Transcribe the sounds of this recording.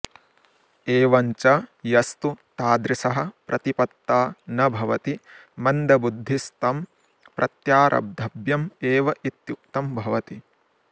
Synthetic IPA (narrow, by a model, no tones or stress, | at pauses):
eːʋɐɲt͡ʃɐjɐst̪ut̪aːd̪ɾisɐɦɐ̆pɾʔɐt̪ipɐt̪ːaːnɐbʱɐʋɐt̪imɐnd̪ɐbud̪ʱːist̪ɐm | pɾʔɐt̪jaːɾʔɐ̰b̚d̪ʱɐbjɐmeːʋɐʔit̪juk̚t̪ɐmbʱɐʋɐt̪i